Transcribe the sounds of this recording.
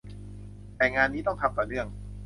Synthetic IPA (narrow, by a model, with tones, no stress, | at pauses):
t̪ɛː˨˩ŋaː˧nːiː˦˥t̪̬ɔ˥˩ŋt̪ʰa˧˥mt̪ɔː˨˩nɯ˥˩əŋ